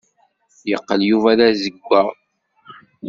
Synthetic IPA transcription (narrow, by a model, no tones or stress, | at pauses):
jəqːəljuvaɾæzəɡʷːa